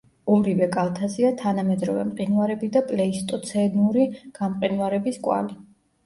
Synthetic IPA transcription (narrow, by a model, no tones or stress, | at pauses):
umɾivɛkʼalˠt̪ʰaziat̪ʰanamɛd̪ɾɔvɛ̰mqʼinuvaɾɛbid̪apʼlɛist̪ʼɔt̪sʰɛnuɾiɡ̥amqʼinvaɾɛbiskʼwa̰li